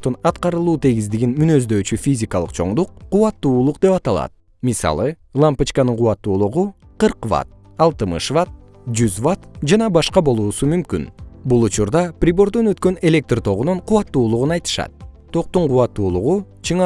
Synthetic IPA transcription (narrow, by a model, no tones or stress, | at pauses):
t̪unɑt̪qɑɾɯlˠuːt̪ʰe̞ɡizd̪iɡinmynø̞zd̪ø̞ːt͡ʃyfʲizʲikɑlˠɯ̥̰qt͡ʃʰo̞ɴd̪uqːuβɑt̪ːuːlˠuqd̪e̞pɑt̪ɑlˠɑ̰t̪̚ | misɑ̰lˠɯ | lˠampɨt͡ʃkɑnɯɴquwɑt̪ːuːlˠuʁuqɨɾqva̰t̪̚ | ɑlˠt̪ɨmɯ̰ʃvat̪̚ | d͡ʒyzvat̪d͡ʒɑnɑbɑʃqɑbo̞lˠuːsumymky̰nbulˠut͡ʃuɾd̪ɑpɾʲibo̞ɾd̪onø̞t̪kø̞ne̞lʲe̞k̚t̪rt̪ʰo̞ʁunoɴqʰuwɑt̪ːuːlˠuʁunɑjt̪ɯ̥ʃɑ̰t̪̚t̪ʰo̞q̚t̪uɴquwɑt̪ːuːlˠuʁu | t͡ʃʰɯɴ